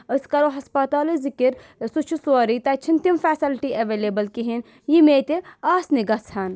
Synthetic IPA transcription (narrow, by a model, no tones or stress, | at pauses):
əskɐɾoɦɐspɐt̪aːlizikiɾ | sut͡ʃʰusaːɾit̪ɐt͡ʃʰint̪jimfɛːsɐlʈiʔɐʋeːleːbɐlkiɦin | jimeːt̪eaːsniɡɐshɐn